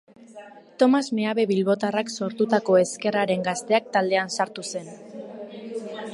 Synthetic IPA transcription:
t̪o̞mazmeaβe̞βilβo̞t̪arakso̞ɾt̪ut̪ako̞e̞ske̞raɾe̞ŋɡast̪e̞ak̚t̪ald̪e̞ansaɾt̪use̞n

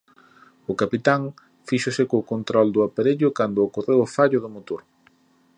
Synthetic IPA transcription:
ʊkapit̪aŋ | fiʃʊsɪkokont̪ɾɔld̪ʊapaɾeʎʊkand̪ʊːkorewofaʎʊðʊmot̪oɾ

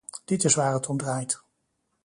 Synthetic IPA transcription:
d̥ɪtɪsʋaːɹətʰɔmdraːjt

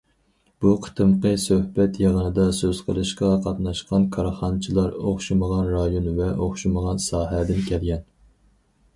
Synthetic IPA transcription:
b̥uqʰə̥t̪ʰɨmqəsøhbɛt̪jɑʁənɨd̪ɑsøz̥qʰəlˠɨʃqɑqʰɑt̪nɑʃqɑnkʰɑɾχɑnt͡ʃʰilˠɑɾoχʃiməʁɑnɾɑjonvɛʔoχʃuməʁɑnsɑːɦɛd̪ɪnkʲʰɛlɡʲɛn

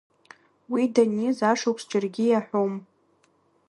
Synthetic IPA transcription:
widanizaʂowpʰsd͡ʒɪrɡʲijaħʷom

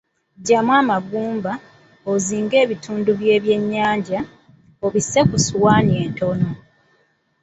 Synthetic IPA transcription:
ɟamwaːmaɡuːmba | oziːŋɡe̞ːβitʰuːnduβje̞ːβje̞ɲːaːɲɟa | oβisːe̞kusuwaːnie̞ːnto̞no̞

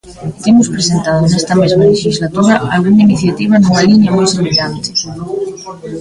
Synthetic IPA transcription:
t̪emʊspɾesent̪aðʊnɛst̪ɐmezmaleʃizlat̪uɾɐalɣuŋainiθjat̪iβ̞ɐnuŋɐliɲɐmojseβiʎant̪ɪ̥

